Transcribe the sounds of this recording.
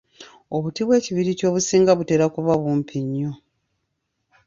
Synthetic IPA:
oβutiβwe̞ːciβiɾico̞ːβusiːŋɡaβute̞ːɾakuβaβuːmpʰiɲːo

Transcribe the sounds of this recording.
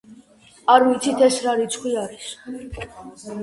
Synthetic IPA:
aɾvit̪sʰit̪ʰɛsɾaɾit̪sʰχwiaɾis

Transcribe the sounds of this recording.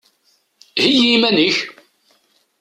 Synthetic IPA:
hijimænəç

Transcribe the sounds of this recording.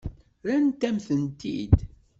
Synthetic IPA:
ɾænt̪ːæmθənt̪ḭd̪

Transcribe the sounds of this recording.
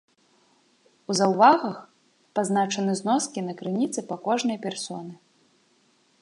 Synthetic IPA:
uzɐwvaɣɐx | paznat͡ʂɐnɨznɔskʲinɐkɾɨnʲit̪sɨpakɔʐnɐjpʲɛrsɔnɨ

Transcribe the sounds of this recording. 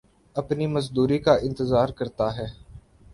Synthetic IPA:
ɐpniməzd̪uːɾikaʔɪ̃nt̪əzaːɾkəɾt̪aɦɛː

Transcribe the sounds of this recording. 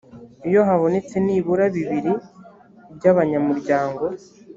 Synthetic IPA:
ijo̞ɦaβo̞ne̞t͡se̞niːβuɾaβiβiɾi | ɾɟaβaɲamuɾɟaːŋɡo̞

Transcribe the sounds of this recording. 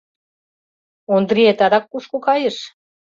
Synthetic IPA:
ond̪ɾiet̪ɑd̪ɑkːuʃkokɑjə̆ʃ

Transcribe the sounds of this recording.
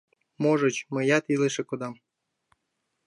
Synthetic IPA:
moʒɤ̆t͡ɕmə̆jɑt̪ilɨʃĕkod̪ɑm

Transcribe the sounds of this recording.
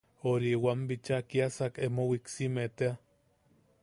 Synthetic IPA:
oɾiwambit͡ʃakiasakemowiksimet̪ea

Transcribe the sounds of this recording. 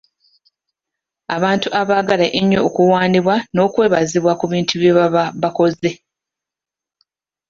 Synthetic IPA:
aβaːntuʔaβaːɡalaʔeɲːo̞ːkuwaːndiβwano̞ːkwe̞ːβaziβwakuβiːntʰuβjeβaβako̞ze̞

